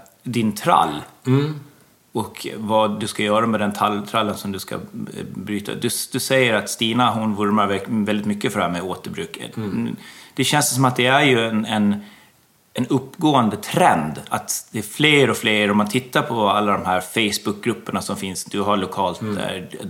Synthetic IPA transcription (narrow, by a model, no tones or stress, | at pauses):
d̪ɪnt̪ʰɾa̰lː | ɔkvad̪ɵskajœːɾamɛd̪ɛnt̪ʰalːt̪ʰɾalːənsɔmd̪ɵska̰bɾyːt̪ʰa̰d̪ɵsd̪̥ɵsɛjːəɾat̪st̪iːnaɦʊnvʊɾmaɾvɛvɛld̪ɪt̪mʏkːəfœɖɛhæːɾmɛoːt̪əɾbɾʉ̟ːkʰːə̰ | d̪̥ɛɕɛnssɔmat̪̚d̪ɛæɾjɵɛnɛn | ɛnɵpːɡoːənd̪ət̪ʰɾɛnd̪a̰t̪d̪ɛːfleːɾɔfleːɾɔmːant̪ʰɪt̪ːaɾpʰɔalːad̪ɔmɦæːɾfɛɪsbʊk̚ɡɾɵpːəɳasɔmfɪnsd̪ɵɦaɭʊkʰɑːlt̪dɛ̰